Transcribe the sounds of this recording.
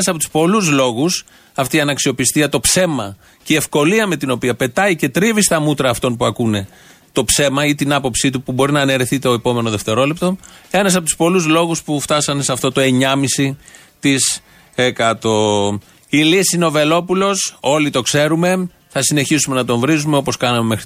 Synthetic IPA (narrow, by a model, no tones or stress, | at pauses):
sɐpot̪u̥spo̞luzlo̞ɣus | ɐft̪iɐnɐksio̞pist̪iɐt̪o̞pse̞mɐ | cee̞fko̞liɐme̞t̪ino̞piɐpe̞t̪ɐice̞t̪ɾivist̪ɐmut̪ɾɐːft̪o̞npuɐkune̞ | t̪o̞pse̞mɐit̪inɐpo̞psit̪upubo̞ɾinɐːneɾiθit̪eo̞epo̞me̞no̞ðe̞ft̪e̞ɾo̞le̞p̚t̪o̞e̞nɐs̬ɐpot̪u̥spo̞luzlo̞ɣuspuft̪ɐsɐnseɐft̪o̞t̪o̞e̞ɲɐmisi | t̪is | ekɐt̪o̞ | ilisiineo̞ve̞lo̞pulo̞so̞lit̪o̞kse̞ɾume̞ | θɐsine̞çisume̞nɐt̪o̞ɱvɾizume̞o̞po̞skɐnɐme̞me̞xɾi